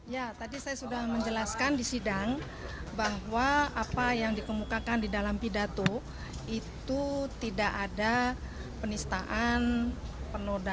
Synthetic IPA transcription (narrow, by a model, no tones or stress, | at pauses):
jat̪adisajasudahməɲd͡ʒəlaskandisidaŋ | baɦwaːpajaŋdikəmukakandidalampidat̪o | it̪ut̪idaʔada | pənist̪aʔanpənoda